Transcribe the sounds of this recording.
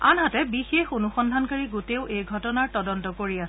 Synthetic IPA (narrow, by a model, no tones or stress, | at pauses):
anɦatɛbixexunuxɔndʱankaɹiɡuteʊʔejɡʱɔtɔnaɹtɔdɔntɔkoɹiasɛ